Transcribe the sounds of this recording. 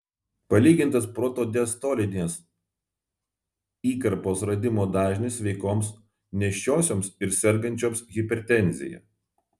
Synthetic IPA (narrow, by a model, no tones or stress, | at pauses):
pɐlʲiːɡʲɪnˑt̪ɐspɾɔt̪oːd̪ʲɛst̪oːlʲɪd̪ʲnʲeːs | iːkɐɾpoːsɾɐd̪ʲɪmoːd̪ɑːʒʲnʲɪsʋʲɛɪkoːms | nʲɛʃʲt͡ʃʲoːsʲoːmsɪɾsʲɛɾɡɐnʲt͡ʃʲoːmsɣʲɪpʲɛɾʲt̪ʲɛnʲzʲɪ̰jɛ̰